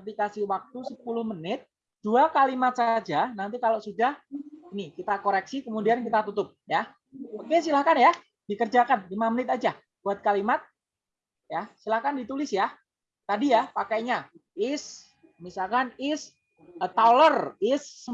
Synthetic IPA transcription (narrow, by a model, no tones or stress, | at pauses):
pikasiwak̚t̪usəpulʊhmənɪt̪̚ | d̥uakalimat̪̚sad͡ʒanant̪̬ikalosudahinikit̪akoɾɛk̚sikəmudiankit̪at̪ut̪ʊp̚ja | okes̬ilahkanja | dikərd͡ʒakanlimamənɪt̪ad͡ʒa | buat̪̚kalimat̪̚ | jasilahkandit̪ulɪsja | t̪adijapakajɲaɪs | misalkanɪs | t̪alərɪs